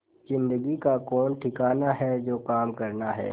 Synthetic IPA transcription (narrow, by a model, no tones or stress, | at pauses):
zɪ̃nd̪əɡikakɔːnʈʰɪkaːnaɦɛd͡ʒoːkaːmkɐɾnaɦɛ̰ː